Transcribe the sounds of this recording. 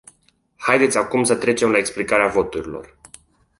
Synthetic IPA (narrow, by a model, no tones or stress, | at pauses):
hajd̪e̞t̪sʲakumsət̪ɾe̞t͡ʃe̞mlaeksplikaɾeavo̞t̪uɾilo̞̰r